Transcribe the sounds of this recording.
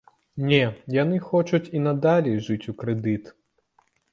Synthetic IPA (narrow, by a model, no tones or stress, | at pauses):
nʲɛjanɨxɔt͡ʃut͡sʲinɐd̪alʲɛʐɨt͡sʲukɾɛd̪ɨt̪